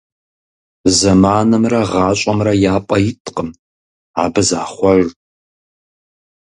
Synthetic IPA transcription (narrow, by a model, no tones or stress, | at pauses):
zɐmaːnɐmrɐʁɑːɕʼɐmrɐjaːpʼɐjɪtʰʼqʼəm | a̰ːbɨzaːχʷɔr